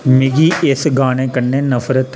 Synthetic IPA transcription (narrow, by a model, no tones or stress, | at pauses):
mɪɡiesɡaːnekɐɳːeːnɐfɾət̪